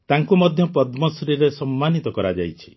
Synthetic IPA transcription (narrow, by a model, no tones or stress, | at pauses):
t̪aŋkumɔd̪ʱjɔpɔd̪mɔsɾiɾesɔmːanit̪ɔkɔɾad͡ʒa̰jt͡ʃʰi̥